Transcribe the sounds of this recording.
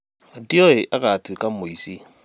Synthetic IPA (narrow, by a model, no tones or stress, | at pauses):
diɔeʔakatwikamoisi